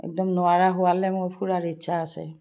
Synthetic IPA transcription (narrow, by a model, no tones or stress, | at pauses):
ɛ̰k̚dɔmnʊaɹaɦʊwalɛmʊɹpʰuɹaɹitsʰaːsɛ̰